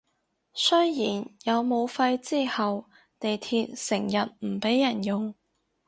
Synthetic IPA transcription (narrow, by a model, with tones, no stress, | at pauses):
sɵ˥jjiː˨˩njɐ˨˧wmo˨˧wfɐ˧jt͡siː˥hɐ˨w | t̪e˨jt̪ʰiː˧t̚sɪ˨˩ŋjɐ˨t̚m̩˨˩pe˨˥jːɐ˨˩njʊ˨ŋ